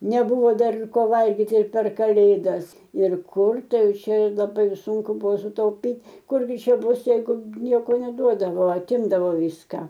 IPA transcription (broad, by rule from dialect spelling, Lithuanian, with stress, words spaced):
nʲɛˈbuːʋoː ˈdɐr ɪr ˈkoː ˈʋɐlʲɡʲɪtʲɪ ɪr pʲɛr kɐˈlʲeːdɐs ɪr ˈkʊr ˈtɐɪ ˈjɛʊˈt͡ʃʲɛ lˠɐˈbɐɪ ɪr ˈsuːŋkʊ ˈbʊʋoː sʊtɐʊˈpʲiːtʲ ˈkʊr ɡʲɪ ˈt͡ʃʲɛ ˈbʊs jɛɪˈɡʊ ˈnʲiɛkoː nʲɛˈduɔdɐʋoː ɐˈtʲɪmdɐʋoː ˈʋʲiːskɑː